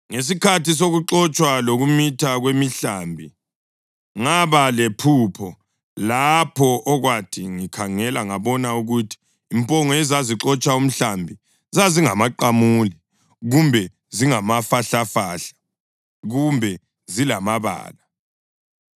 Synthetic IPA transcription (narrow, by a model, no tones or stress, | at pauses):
ŋes̬ikʰatis̬oɣuǁɔt͡ʃʼwaloɣumitʰaɣwemiɬambʱi | ŋaβalepʰupʰɔ | lapʰɔʔɔɣwatʰiŋikʰaŋɛlaŋaβɔnauɣutʰi̥ː | mpʼɔŋɔɛzaziǁɔt͡ʃʼaum̩ɬambʱi | zaziŋamaǃamuli | ɣumbʱɛ | ziŋamafaɬafaɬḁ | ɣumbʱɛ | zilamaβa̰ːla